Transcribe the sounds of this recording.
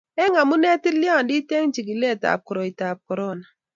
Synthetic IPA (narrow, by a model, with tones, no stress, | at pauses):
ɛ˦ŋa˨mu˦ne˦ti˦li˦a˦˨ndi˦te˦ŋ˦t͡ʃi˨ɡi˨le˦˨ta̰˨p̚ku˨ɾo˨i˨ta˨p̚kɔ˨ɾɔ˦˨na˨